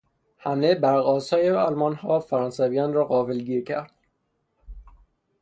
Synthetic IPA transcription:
hæmebæɾɣɒːsɒːjeɒlmɒnhɒːfæɾɒːnsævijɒːnrɒːɣɒːvelɡiːɾcʰæɾd̪̥̚

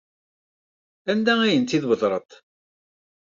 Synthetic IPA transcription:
ænd̪ææjənt̪iðwəðˤɾˤət̪ˤ

